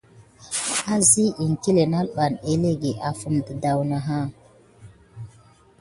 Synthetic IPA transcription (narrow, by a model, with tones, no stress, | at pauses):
a˦zi˦i˨ŋki˦le˨na˦lɓa˨ne˦le˦ɡe˨ʔa˨fu˦mtə˨da˨wna˨ɦa˦